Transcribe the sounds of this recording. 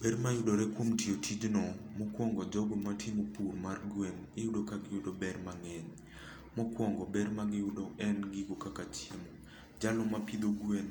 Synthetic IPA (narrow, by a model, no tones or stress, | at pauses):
bɛɾmajudoɾɛkwomtiotʰid͡ʒnɔmɔkwɔŋɡɔd͡ʒɔɡɔmatʰemopuɾmarɡwenɪjudokaɡɪjʊdobɛɾmaŋɛɲ | mɔkwɔŋɡɔbɛɾmaɡɪjʊdoɛnɡiɡokakat͡ʃjemo | d͡ʒalɔmapid̪oɡwen